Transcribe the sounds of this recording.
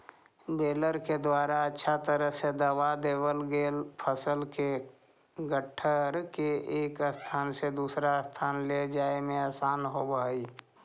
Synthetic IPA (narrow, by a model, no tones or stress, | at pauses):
beːləɾked̪waːɾaətːʃʰat̪əɾəɦsed̪əwad̪eːwəlɡeːlpʰəsəlke | ɡəʈʰːəɾkeʔeːkəst̪ʰaːnsed̪uːsɾast̪ʰaːnled͡ʒaːemẽaːsaːnɦobaːi